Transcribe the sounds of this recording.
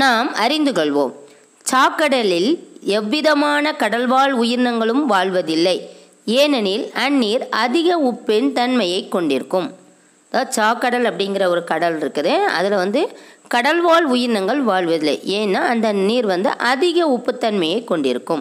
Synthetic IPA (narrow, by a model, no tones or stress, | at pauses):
naːmɐɾɪnd̪ɯkɔɭʋo̰ːm | t͡ʃaːkːɐɽɐlɪlɛʋːɪðɐmaːnɐkɐɽɐlʋaːɭʊjɪɾnɐŋɡɐɭɯmʋaːɭʋɐðɪlːɐɪ | eːnɐniːlɐnːiːɾɐðɪɣɐʊpːɪnt̪ɐnmɐjɐɪkːɔɳɖɪɾɯkːɯm | ɐðaːt͡ʃaːkːɐɽɐlɐpːɐɽɪŋɡɪrɐɔɾɯkɐɽɐlɪɾɯkːɐðɯɐ̰ðɪlʋɐnd̪ɯ | kɐɽɐlʋaːɭʊjɪɾnɐŋɡɐɭɯʋaːɭʋɐðɪlːɐ̰ɪeːnːaːɐnd̪ɐniːɾʋɐnd̪ɯ̰ʔɐðɪɣɐʊpːɯt̪ːɐnmɐjɐɪkːɔɳɖɪɾɯkːɯm